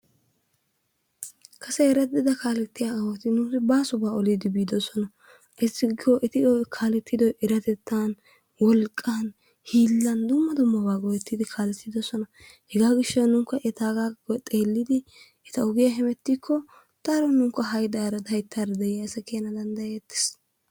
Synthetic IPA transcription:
kʰɐsɛɛɾɐd̪ɪd̪ɐkaːlɛt̪ːɪjaɐwɔt̪ɪnʊsɪbaːsʊbaːɔlid̪ɪbiːd̪ɔsɔnɐ | ʔɪsːɪɡoʔɛt̪ɪɔjkʰaːlɛt̪ːɪd̪ɔjʔɛɾɐt̪ɛt̪ːan | wɔlkʼːaːn | hiːlːɐnd̪ʊmːɐd̪ʊmːɐbaːɡɔjɛt̪ːɪd̪ɪkʰaːlɛt̪ːɪd̪ɔsɔnɐ | hɛɡaːɡɪʃːɐnʊŋkːɐʔɛt̪aːɡaːɔt̪ʼe̞ːlːɪd̪ɪ | ɛt̪ɐʊɡɪjɐɦɛmɛt̪ːikʰːɔ | t̪ɐɾɔnʊŋkːɐɦɐjd̪aːɾɐd̪ɐjt̪ːaɾɐd̪ɛjɪjɐsɐkeːnɐd̪ɐnd̪ɐjet̪ːɪ̥s

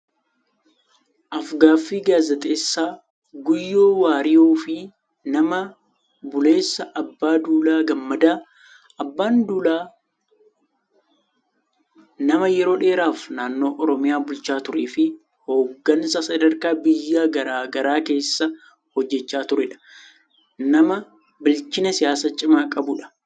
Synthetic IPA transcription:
ʔɐfɡaːfːiːɡaːzɐt̪ʼe̞ːsːaː | ɡʊjːo̞ːwaːɾɪjoːfɪ | nɐmɐ | bʊle̞ːsːɐʔɐbːaːd̪uːlaːɡɐmːɐd̪aː | ɐbːaːnd̪ulaː | nɐmɐjɛɾo̞ːᶑe̞ːɾaːfnaːnːo̞ːʔɔɾɔmɪjaːbʊlt͡ʃaːt̪ʊɾeːfɪ | ho̞ːɡːɐnsɐsɐd̪ɐɾkaːbɪjːaːɡɐɾaːɡɐɾaːke̞ːsːɐ | hɔd͡ʒːɛt͡ʃːaːt̪ʊɾɛᶑɐ̥ | nɐmɐ | bɪlt͡ʃɪnɐsɪjaːsɐt͡ʃʼɪmaːkʼɐbʊᶑɐ̥

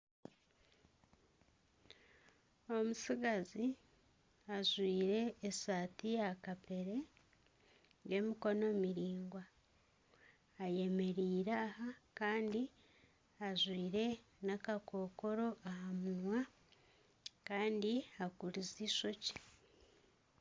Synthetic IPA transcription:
o̞musiɡazi | aʒwiːɾe̞ːsaːtijakape̞ɾe̞ | ɡe̞mikono̞miɾiːŋɡwa | je̞me̞ɾiːɾaːhakaːndi | aʒwiːɾe̞nakako̞ːko̞ɾo̞ʔahamunwa | kaːndiakuɾiziʃo̞ci̥

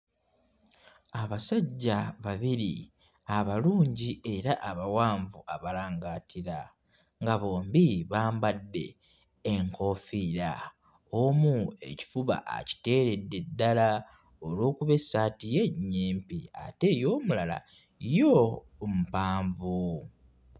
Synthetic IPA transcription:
aβasaɟːaβaβiɾḭ | aβaluːɲɟiʔe̞ɾaʔaβawaːɱvuaβalaːŋɡaːtʰiɾa | ŋɡaβo̞ːmbiβaːmbadːe̞̰ː | ŋko̞fiːɾa̰ | omue̞̰ci̥fuβa̰ʔa̰ci̥te̞ːɾe̞dːe̞dːala | olo̞ːkuβe̞satije̞ɲːeːmpia̰te̞jo̞ːmulala̰ | jo | m̩paːɱvu

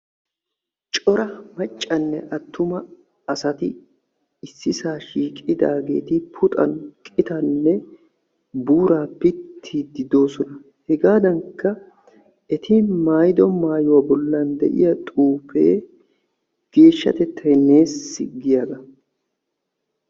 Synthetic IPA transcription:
t͡ʃʼɔɾɐmɐt͡ʃʼːɐnːɛʔɐt̪ːʊmɐ | ɐsɐt̪ɪ | ɪsːɪsaːʃiːkʼɪd̪a̰ːɡe̞̰ːt̪ɪpʰʊt̪ʼɐ̰nkʼɪt̪ɐnːɛ | buːɾaːpɪt̪ʰːid̪ɪd̪o̞ːsɔnɐ | hɛɡaːd̪ɐŋkːɐ | ɛt̪ɪmaːjd̪ɔmaːjʊwaːbɔlːɐnd̪ɛ̰ʔɪ̰jɐt̪ʼuːpḛː | ɡ̥e̞ːʃːɐ̰t̪ɛt̪ʰːɐɛne̞ːsːɪ̰ɡɪjaːɡ̪ɐ

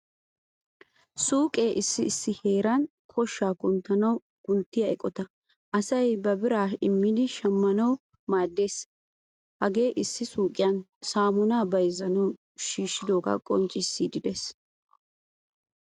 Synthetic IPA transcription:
suːkʼe̞ːʔɪsːɪːsːɪhe̞ːɾɐn | kʰɔʃːaːkʊnt̪ːɐnɐw | kʊnt̪ːɪjɐɛkʼɔt̪ɐ | ʔɐsɐjbɐbɪɾaːɪmːɪd̪ɪʃɐmːɐnɐw | maːd̪ːe̞ːs | hɐɡe̞ːʔɪsːɪsuːkʼɪjɐnsaːmʊnaːbɐjzɐnɐw | ʃiːʃːɪd̪oːɡɐ̰kʼɔ̰nt͡ʃʼːɪsːid̪ɪd̪eːs

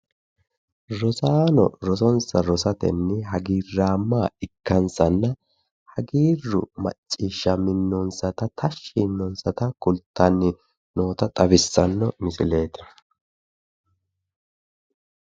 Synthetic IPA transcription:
ɾɔsaːnɔ̰ɾɔsɔnsɐɾɔsɐt̪ɛnːɛɦɐɡiːrːaːmːaːɪkːɐnsɐnːɐ | hɐɡiːrːʊ̰mɐ̰t͡ʃʼːiːʃːɐmɪnːɔnsɐt̪ɐt̪ʰɐʃːinːɔnsɐt̪ɐkʊlt̪ʰːɐnːɪ | no̞ːt̪ɐt̪ʼɐbɪsːɐnːɔmɪsɪle̞ːt̪ɛ̥

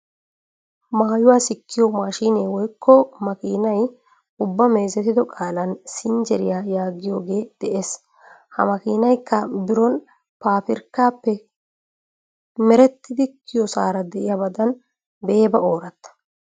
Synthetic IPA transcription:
maːjʊwaːsɪkːɪjɔmaːʃiːneːwɔjkʰːɔmɐkḭːnɐj | ʊbːɐmeːzɛt̪ɪd̪ɔkʼaːlɐnsɪnd͡ʒɛɾɪjaːjaːɡɪjo̞ːɡe̞ːd̪̥ɛʔe̞ːs | hɐ̰mɐkiːnɐjkːɐbɪɾɔn | paːpɪɾkːaːpːɛ | mɛɾɛt̪ːɪd̪ɪkʰːɪjɔsaːɾɐd̪ɛʔɪjabɐd̪ɐn | be̞ːbɐo̞ːɾɐt̪ːɐ̥

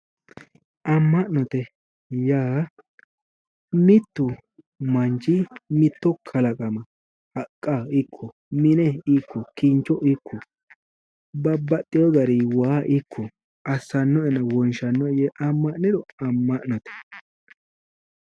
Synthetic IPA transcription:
ʔɐmːɐʔnɔt̪ɛ | jaː | mɪt̪ːʊ | mɐnt͡ʃɪmɪt̪ːɔkʰɐlɐkʼɐmɐ | ɐkʼːaɪkʰːɔ | mɪnɛɪkʰːɔkiːnt͡ʃɔʔɪkʰːɔ | bɐbːɐt̪ʼːɪjɔɡɐɾiwaːʔɪkʰːɔ | ɐsːɐnːɔɛnɐwɔnʃɐnːɔjɛʔɐmːɐʔnɪd̪ɔɐmːɐʔnɔt̪ɛ̥

